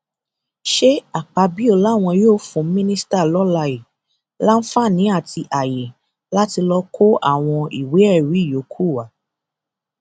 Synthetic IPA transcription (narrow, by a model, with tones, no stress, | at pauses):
ʃe˦a˨k͡pa˧bi˦o˦˨la˨˦˨w̃ɔ̃˧joː˦˨fũ˧˦mĩ˦nĩ˦sta˦˨lɔ˦la˧e˨ | la˦n̩˦fa˦˨nĩ˨˦a˦˨ti˧ʔa˨je˨ | la˦ti˧lɔ˧kʰo˦ʔa̰˦˨w̃ɔ̃˧i˨we˨˦ɛ˦˨ɾi˨˦˨jo˨˦kʰu˦˨wa˨˦